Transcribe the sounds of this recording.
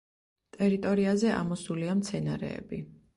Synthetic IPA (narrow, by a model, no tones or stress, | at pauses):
t̪ʼɛɾit̪ʼɔɾiazɛa̰mɔsuliamt̪sʰɛnaɾɛ̰ːbi